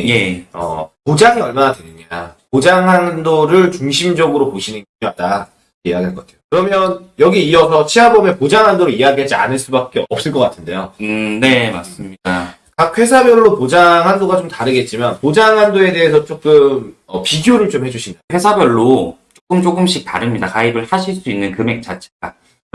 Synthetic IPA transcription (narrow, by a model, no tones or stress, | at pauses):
ejeʌ̰pod͡ʑaŋiʌɭmanadwenɯɲa̰pod͡ʑaŋɦandoɾɯɭt͡ɕuŋɕʰimd͡ʑʌɡɯɾopoɕʰinɯnkioat̚t͈a | ijaɡiɦaɭkʌkatʰejokɯɾʌmjʌnjʌɡiiʌsʰʌt͡ɕʰiɦabʌmʌpod͡ʑaŋɦandoɾɯijaɡiɦad͡ʑia̰nɯɭs͈ubak͈e̞ʌp̚s͈ɯɭk͈ʌk͈atʰɯnde̞̰jone̞ma̰s͈ɯmɲida | kak̚ʰɸwe̞sʰabjʌɭːopod͡ʑaŋɦandoɡat͡ɕomtaɾɯɡe̞t̚t͡ɕ͈imanpod͡ʑaŋɦandoe̞de̞ɦesʰʌt͡ɕ͈ok͈ɯmʌpiɡioɾɯɭt͡ɕomhe̞d͡ʑuɕʰindaɸwe̞sʰabjʌɭːot͡ɕ͈ok͈ɯmt͡ɕokɯmɕ͈ʰik̚ta̰ɾɯmɲidakaibɯɭhaɕʰiɭs͈uinːɯnkɯme̞k̚t͡ɕ͈at͡ɕʰeɡ̥a̰